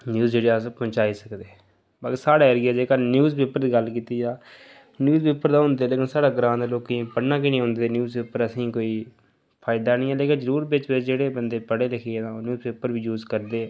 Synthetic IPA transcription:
njuːzd͡ʒeːɽeːspʊ̃t͡ʃaːiːsəkd̪eː | baːkeːsaːɽaːəɾaːd͡ʒeːkanjuːzpeːpəɾd̪iːɡəlkiːt̪iːd͡ʒaː | njuːzpeːpəɾd̪aːɦʊ̃nd̪eːleːkɪnsaːɽaːɡɾãːd̪aloːkːẽpəɽnãːkɪnĩːɦʊ̃ːnd̪eːnjuːzpeːpəɾəsĩːkoːiː | pʰaːɪd̪aːnĩːɛːleːkɪnzəɾuːɾbɪt͡ʃbɪd͡ʒeːɽeːbənd̪eːpəɽeːləkʰeɛnãːnjuːzpeːpəɾʋiːjuːzkəɾd̪eː

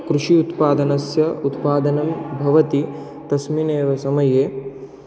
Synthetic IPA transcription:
kɾuʂiut̪paːd̪ɐnɐsjɐut̪paːd̪ɐnɐmbʱɐʋɐt̪i | t̪ɐsmineːʋɐsɐmɐjeː

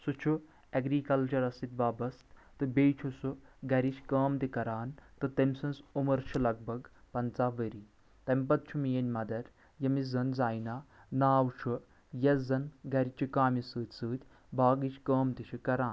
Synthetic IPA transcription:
sut͡ʃʰu | ɐɡɾiːkɐlt͡ʃɐɾɐsit̪ʲʋaːbɐst̪t̪ɨbeːjt͡ʃʰusuɡɐɾiʃʲkɐːmt̪ikɐɾaːnt̪ɨt̪ɐmʲsɨnsumɐɾt͡ʃʰilɐɡ̚bɐɡ | pɐnt͡saːʋəɾi | t̪ɐmʲpɐt̪̚t͡ʃʰumijɐnʲmɐd̪ɐɾ | jɐmizɐnzaːjnaːnaːwt͡ʃʰu | jɐzɐnɡɐɾʲit͡ʃʰukaːmisɨːt̪ʲsɨːt̪ʲ | baːɡit͡ʃkəːmt̪it͡ʃʰikɐɾaːn

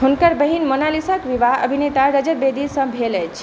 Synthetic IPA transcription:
ɦunkəɾbəɦinmonalisakʋibaɦə̰bʱinet̪aɾəd͡ʒəɾ̚bed̪isə̃bʱeləjt͡ʃʰ

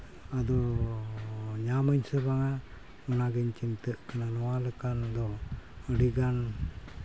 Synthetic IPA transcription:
ad̪ɔ | ɲaməɲsəbaŋa | unaɡɛɲt͡ʃint̪əʔkananɔwaləkand̪ɔ | əɽiɡan

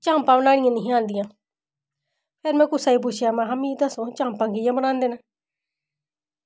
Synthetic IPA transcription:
t͡ʃãːmpãːbənaːɽɪ̃jãːnɪɦĩãːnd̪ɪjãː | pʰeːɾmɛ̃ːkʊsaːiːp̬ʊʃʰjaːmãːɦamit̪asõːt͡ʃãːmpãːŋkɪjãːbənãːnd̪eːnaː

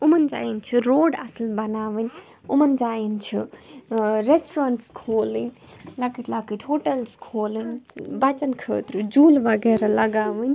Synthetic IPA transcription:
umənd͡ʒa̰ːjint͡ʃʰiɾoːɖɐ̰səlbɐnaːʋɨnʲ | umənd͡ʒaːjint͡ʃʰi | ɾesʈɾaːɳʈskʰoːlɨn | lakiʈlaːkiʈhoːʈɐlskʰoːlɨnbɐt͡ʃɐnkʰə̰ːt̪ɾɨd͡ʒuːlʋɐɡɛːɾalɐɡaːʋɨnʲ

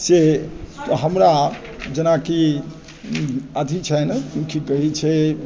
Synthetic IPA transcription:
se | ɦəmɾa | d͡ʒenaki | əd̪ʱit͡ʃʰɛnkʰikəɦit͡ʃʰɛ

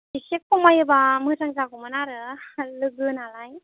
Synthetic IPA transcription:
isik̚kumajɯbamɯzaŋzaɡumanaɾɯlɯɡɯnalaj

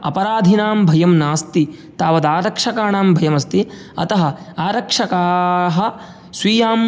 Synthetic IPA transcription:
ɐ̰pɐɾaːd̪ʱinaːmbʱɐjɐmnaːst̪i | t̪aːʋɐd̪aːɾɐkʂɐkaːɳaːmbʱɐjɐmɐst̪i | ɐ̰t̪ɐɦɐ̆aːɾɐkʂɐkaːɦɐ̆ | sʋiːjaːm

